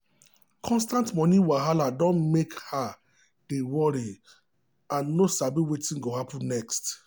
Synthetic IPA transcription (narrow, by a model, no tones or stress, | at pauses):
kʰɔ̃nstãntmɔ̃nĩwaɦaladɔ̃nmekha | d̥ewɔɾi | ãnːosabiwetĩnɡoɦapũnnɛkst